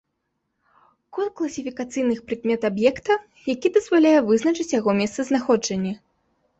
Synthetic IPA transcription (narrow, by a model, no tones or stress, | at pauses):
kɔlklˠɐsʲifʲikat̪sɨjnɨxpɾɨkmʲɛt̪abjɛkt̪ɐ | jakʲid̪ɐzvalʲajɛvɨznɐt͡ʂɨt͡sʲjaɣɔmʲɛst̪sɐznaxɔd͡ʐɐnʲːɐ